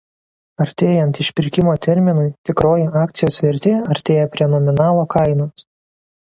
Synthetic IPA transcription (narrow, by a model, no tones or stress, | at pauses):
ɐɾʲt̪ʲeːjɛnt̪ɪʃʲpʲɪɾʲkʲɪmoːt̪ʲɛɾʲmʲɪnʊɪt̪ʲɪkɾoːjɪɑːkt̪sʲɪjoːsʋʲɛɾʲt̪ʲeːɐɾʲt̪ʲeːjɛpʲɾʲiɛnɔmʲɪnɑːlˠoːkɐɪnoːs